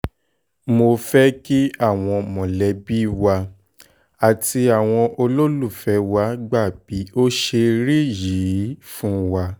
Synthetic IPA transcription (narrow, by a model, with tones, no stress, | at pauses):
mo˧fɛ˦ki˦a˦˨w̃ɔ̃˧mɔ̃˨lɛ˨˦bi˦wa˧ | a˨ti˧a˨w̃ɔ̃˧ʔo˧lo˦lu˦˨fɛ˨˦wa˧˦ɡ͡ba˦˨b̥i˨˦o˦ʃe˧ɾi˦ji˨˦fũ˦wa˧